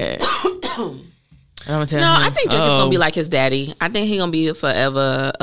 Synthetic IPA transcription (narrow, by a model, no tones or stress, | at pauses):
ɛ̰ | ãmtʰɛnoʊaɪθɪ̃ŋk̚d̥ɛ̃ɪɨ̃ɡʌ̃nɨbilaɪkhɨzdæɾiaɪθɪ̃ŋkhiɡõnəbifə˞ʔɛvə˞ə